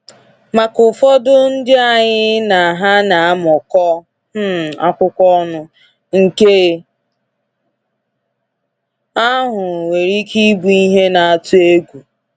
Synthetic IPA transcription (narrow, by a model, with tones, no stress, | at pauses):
ma˨kʊ˨fɔ˦dʊ˦n̩˦dɪ˦a˨ɲɪ˦na˨ɦa˦na˨a˦mɔ˨kɔ˦ | m̩˦˨a̰˦kʷʊ˦kʷɔ˦nʊ˦ | ŋ̩˨ke˦ | a˦ɦʊ˨we˨ɾi˦ki˦bu˨i˦ɦe˦na˨a˨tʊ˦e˦ɡʷu˨